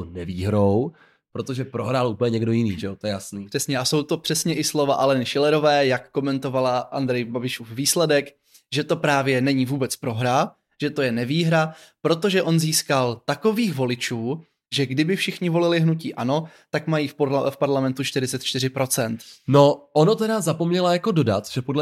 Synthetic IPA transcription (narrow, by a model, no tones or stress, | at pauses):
onɛviːɦɾow | pɾot̪oʒɛpɾoɦɾalʔuːpəɲɛɲɛɡdojɪniːʒɛot̪ojɛjasniːpr̥ɛsɲɛʔaso̞wt̪o̞pr̝̥ɛsɲɛʔɪslo̞vaʔalɛnɪʃɪlɛɾo̞vɛːjakːo̞mɛnt̪o̞valaʔa̰nd̪ɾɛjbabɪʃufviːslɛdɛk | ʒɛt̪o̞pɾaːvjɛnɛɲɪvuːbɛt͡spɾo̞ɦɾa | ʒ̥ɛt̪o̞jɛnɛviːɦɾapɾo̞t̪oʒɛʔo̞nziːskalt̪ako̞viːxvo̞lɪt͡ʃuː | ʒɛɡdɪbɪfʃɪxɲɪvo̞lɪlɪɦnuciːʔano̞ | t̪akmajiːfpofpaɾlamɛnt̪ut͡ʃt̪ɪɾɪt͡sɛt̪̚t͡ʃt̪ɪɾɪpɾo̞t͡sɛnt̪noʔonot̪ɛɾazapomɲɛlajakododa̰t̪ʒ̥ɛpodlɛ